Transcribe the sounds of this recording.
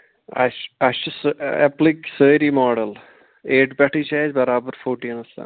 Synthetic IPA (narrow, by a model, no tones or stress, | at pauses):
ɐ̰ɐʃusepliksəːɾiːmɔːɖɐl | eːʈbʲɐʈʰit͡ʃaːd͡ʒbɐɾaːbɐɾfoːʈijɐnɐsa̰ː